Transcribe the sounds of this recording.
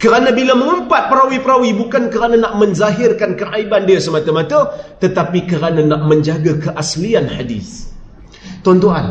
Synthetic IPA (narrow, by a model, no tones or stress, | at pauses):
kəɾanãbiləmə̃ŋəmpat̪̚pəɾawipəɾawibukankəɾanãnaʔmə̃nzaɦɪrkankəʔaibandiasəmãt̪amãt̪ət̪ət̪apikəɾanãnaʔmə̃ɲd͡ʒaɡakəʔaslianħadḭs | t̪ɔnt̪uan